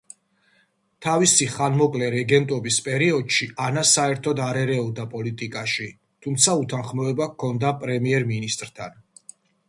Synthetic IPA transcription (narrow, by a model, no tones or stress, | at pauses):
t̪ʰavisiχanmɔkʼlɛɾɛɡɛnt̪ʼɔbispʼɛɾiɔd̪̥ʃiʔanasaɛɾt̪ʰɔd̪aɾɛɾɛɔd̪apʼɔlit̪ʼikʼaʃi | t̪ʰumt̪sʰaut̪ʰanχmɔɛbakʰːɔnd̪apʼɾɛmiɛɾminist̪ʼɾt̪ʰan